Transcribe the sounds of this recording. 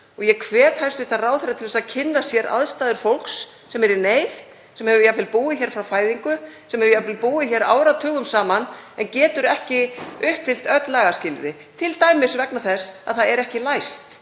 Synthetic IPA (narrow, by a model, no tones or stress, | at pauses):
ɔɣjɛkʰvɛːt̪hajst̪ɪ̥θaraːwθɛɾrat̪ʰɪlðɛsaðcʰɪnːasjɛɾʔa̰ðst̪aːðʏɾ̥fowl̥ksː | ɛmɛɾɪneːjθ | sɛmhɛvʏjapʰɪl̚puːðɪçɛːɾ̥fɾawfaːjðiŋkʏsɛmhɛvʏjapɪlpuːɪçɛɾa̰ːwɾat̪ʰœːɣʏmsaːmanɛncɛːt̪ʏɾɛhcɪʏhpfɪl̥t̪œt̪laɣascɪlɾɪ | t̪ʰɪlt̪aːjmɪsvɛknaθɛsa̰ðθaðɛɾɛhcɪlajst̪